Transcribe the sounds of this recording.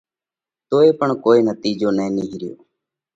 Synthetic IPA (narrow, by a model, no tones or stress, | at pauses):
t̪oːeːpəɳkoːiːnət̪iːd͡ʒoːnɛ̃ːniɦiɾɪjo̰ː